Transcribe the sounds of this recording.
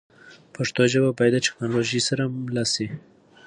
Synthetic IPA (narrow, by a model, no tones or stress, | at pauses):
paʂt̪oʒababajd̪atɪ̥knɑloʒisaɾamlasi